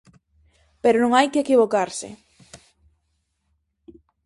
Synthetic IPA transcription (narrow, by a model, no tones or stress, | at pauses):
peɾonõŋajkeekiβokaɾsɪ̰